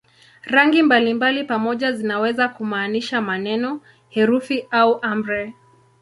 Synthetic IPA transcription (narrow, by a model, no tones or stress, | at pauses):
ɾaŋɡimbalimbalipamɔʄazinawɛzakumaːniʃamanɛnɔ | hɛɾufiauʔam̩ɾɛ